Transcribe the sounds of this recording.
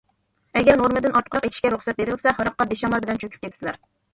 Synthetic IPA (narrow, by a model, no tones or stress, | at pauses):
ɛɡʲɛɾnoɾmɨd̪ɨnɑt̪qʰɾɑqet̪ʰɪʃkʲɛɾuχsɛt̪̚beɾɪlsɛɦɑɾɑq̚qːɑd̪eʃɑmɑlbɪlɛnt͡ʃʰøkʲʰyp̚kʲet̪ʰsɪlæɾ